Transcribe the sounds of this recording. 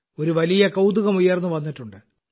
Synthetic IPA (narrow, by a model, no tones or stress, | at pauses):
o̞ɾuʋɐlijɐkɐwd̪uɣɐmujːɐrnːuʋɐnːiʈːuɳɖɨ